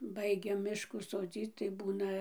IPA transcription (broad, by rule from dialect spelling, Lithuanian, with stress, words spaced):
ˈbɐɪɡʲɛ ˈmʲɪʃkuː soːˈd͡zʲiːt͡s tɐɪ ˈbuːnɐ